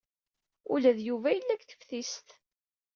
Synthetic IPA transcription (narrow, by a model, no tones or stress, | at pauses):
ṵlæðjuvæjəlːækθə̥fθist̪